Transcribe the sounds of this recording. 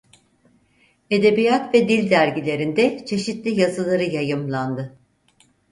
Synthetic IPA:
e̞d̪e̞bijat̪vɛd̪ilʲd̪æɾɟilʲe̞ɾind̪ɛt͡ʃʰe̞ʃit̪lʲijazɯlˠaɾɯjajɯmlˠand̪ɯ

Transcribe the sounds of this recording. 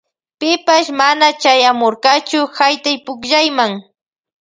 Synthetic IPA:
pɪpaʃmanat͡ʃajamoɾɢɑt͡ʃʊhajt̪ajpʊkʒajmaŋ

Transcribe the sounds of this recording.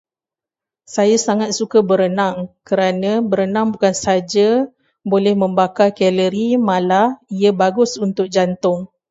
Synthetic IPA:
sajasaŋat̪̚sukabəɾənaŋkəɾanãbəɾənãŋbukansad͡ʒa | bolɛhmə̃mbakakɛləɾimãlaiabaɡʊsunt̪ʊk̚d͡ʒant̪ʊŋ

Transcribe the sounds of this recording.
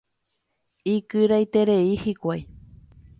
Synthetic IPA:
ikɨɾajt̪e̞ɾeihikʷaj

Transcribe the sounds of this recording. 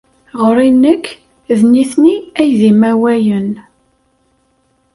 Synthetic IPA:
ʁəɾinːəkː | ðniθniæjðimæwæjən

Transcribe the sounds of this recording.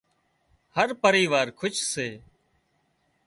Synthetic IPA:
həɾpəɾiːʋaːɾkʰʊt͡ʃseː

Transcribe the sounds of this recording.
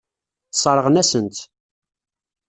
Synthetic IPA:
sˤəɾˤəʁnæsənt̪

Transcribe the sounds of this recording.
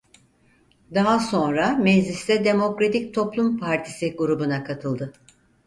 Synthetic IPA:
d̪aɦaso̞nɾamezlʲisd̪ɛd̪e̞mo̞kɾat̪ʰic̚t̪ʰo̞plˠumpʰaɾt̪ʰi̥siɡuɾubunakʰat̪ʰɯlˠd̪ɯ

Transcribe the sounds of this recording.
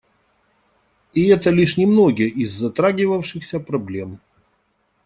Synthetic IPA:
ɪɛt̪əlʲiʂnʲɪmnoɡʲɪjəʔɪzːɐt̪ɾaɡʲɪvəfʂɨxsʲəpɾɐblʲe̞m

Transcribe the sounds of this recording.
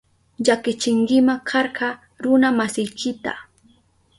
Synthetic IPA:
ʎakɪt͡ʃɪŋkɪmakʰɑɾɢɑ | ɾʊnamasɪjkʰɪt̪a̰

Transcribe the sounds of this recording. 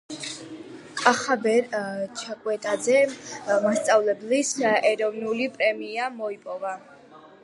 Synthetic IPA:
kʼaχabɛɾt͡ʃʰakʼwɛt̪ʼazɛmast̪sʼavlɛblisɛɾɔvnulipʼɾɛmiamɔipʼɔva

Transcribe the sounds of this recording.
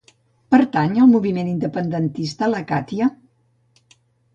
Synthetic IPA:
pəɾt̪aɲəlˠmuβimenind̪əpənd̪ənt̪ist̪ələkat̪iə

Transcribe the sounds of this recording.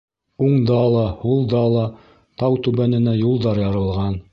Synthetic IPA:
uɴd̪ɑlˠɑhulˠd̪ɑlˠɑ | t̪ɑwt̪ʉβænɘ̆næjulˠd̪ɑɾjɑɾɤ̆lˠʁɑn

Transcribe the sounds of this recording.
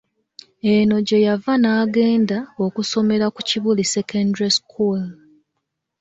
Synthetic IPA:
e̞no̞ɟe̞javanaːɡe̞ːndao̞kuso̞me̞ɾakuciβulisekʰandɾeskʰul

